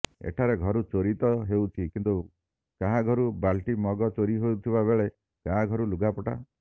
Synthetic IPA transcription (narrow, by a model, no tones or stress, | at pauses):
ḛʈʰaɾeɡʱɔɾut͡ʃoɾit̪ɔɦewt̪ʰikint̪u | kaɦaɡʱɔɾubalʈimɔɡɔt͡ʃoɾiɦowt̪ʰibabeɭe | kaɦaɡʱɔɾuluɡapɔʈa̰